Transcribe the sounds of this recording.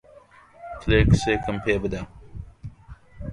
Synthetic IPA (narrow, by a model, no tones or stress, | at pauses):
tʰlekseːkəmpʰeːbəd̪a